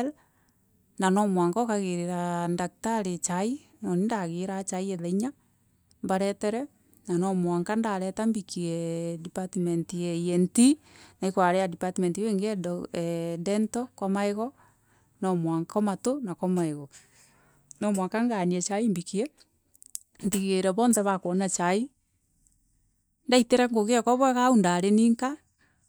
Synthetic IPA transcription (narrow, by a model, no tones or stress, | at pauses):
l | nanɔmwaŋkakaɣeɾeɾandak̚taɾet͡ʃai | nɔnindaɣeɾat͡ʃaieðaiɲa | mbaɾɛtɛɾɛ | nanɔmwaŋkandaɾɛtambikiɛdipatimentieienti | naikwaɾeadipatimentiweŋɡɛ | dɛntɔkwamaeɣɔ | nɔmwaŋkɔmatonakamaeɣɔ | nɔmwaŋkaŋɡaniɛt͡ʃaimbikiɛ | ntiɣeɾɛβɔːnðɛβakwɔnat͡ʃai | ndaiteɾɛŋɡoɣeakɔβwɛɣaundaɾeniːŋka